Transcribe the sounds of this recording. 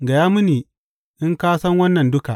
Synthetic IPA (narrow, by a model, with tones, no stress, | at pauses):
ɡa˨jaː˦mʊ˦niː˨ | ʔɪ˦ŋkaː˦sɐ˦ŋwɐ˦nːɐ˨ndʊ˦ka˨ʔ